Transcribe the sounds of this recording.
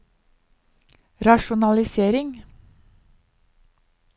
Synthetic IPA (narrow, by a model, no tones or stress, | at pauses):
ɾɑʃʊnɑlɪseːɾɪŋ